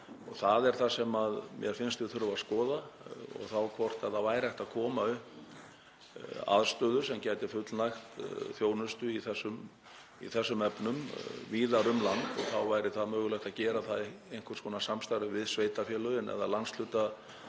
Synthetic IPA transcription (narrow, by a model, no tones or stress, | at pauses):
ɔɣθaðɛɾ̥θasɛmaðmjɛɾfɪnst̪ɪθʏɾvaðskɔːðaɔ̰ɣθawkʰvɔr̥t̪ɛðavaːjɾajht̪aðkʰɔːmaʏ | a̰ðst̪œːðʏ̥sɛmcaːjt̪ɪfʏt̪lnajxt̪θjoːwnʏst̪ʏiθɛsːʏm | ḭθɛsːʏmɛpnʏmviːðaɾʏmlant̪ɔɣθawvajɾɪθaðmœːɣʏlɛht̪aðcɛːɾaθað | ejn̥kʰʏ̥ɾskʰɔːnasamst̪ajɾʏvɪðsveːjt̪afjɛːlʏɛnɛ̰ða̰lanslʏːt̪a